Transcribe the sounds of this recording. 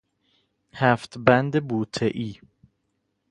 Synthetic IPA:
hæft̪bænd̪ebuːt̪ʰeʔiː

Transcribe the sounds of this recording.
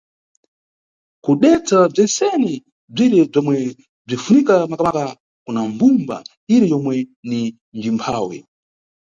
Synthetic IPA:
kuɗɛt͡sab͡ʐɛnsɛni | b͡ʐiɾɛb͡ʐɔmwɛ | b͡ʐifunikamakamaka | kunambumba̰ | iɾɛjɔmwɛni | nd͡ʒimpʰaːwɛ̰

